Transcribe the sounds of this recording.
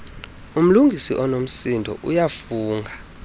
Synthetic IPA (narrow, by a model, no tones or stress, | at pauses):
um̩luŋɡʱisiʔɔnom̩sindʱɔ̰ʔṵjafuːŋɡʱa